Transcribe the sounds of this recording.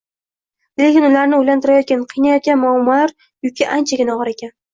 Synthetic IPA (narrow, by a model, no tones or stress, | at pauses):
le̞kʲɪnʊlaɾnɪʊjlant̪ʰɪɾajɒt̪̚kʲanqʰɨjnajɒt̪̚ɡʲanmʊamːɒlaɾ | jʊkʲʰːaʔant͡ʃʰaɡʲɪnaɒʁɑɾekʲʰan